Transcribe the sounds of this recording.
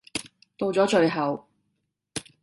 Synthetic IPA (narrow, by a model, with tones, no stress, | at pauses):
t̪o˧wt͡sɔː˨˥t͡ʃɵ˨˧ɥɦɐ˨w